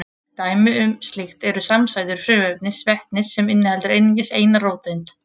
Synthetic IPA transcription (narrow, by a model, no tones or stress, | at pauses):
t̪aːjmɪʏmst̪lɪxt̪ɛɾʏsamsaːjðʏɾ̥fɾɪːvœpnɪsvɛhtnɪsːɛmɪnːɪhɛlt̪ʏɾejnɪŋɲcɪseːjnaɾoːwt̪ɪnt̪